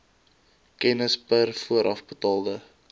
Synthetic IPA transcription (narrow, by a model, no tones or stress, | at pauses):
kɛnəspərfuəɾʔɐfbətɑːlˠdə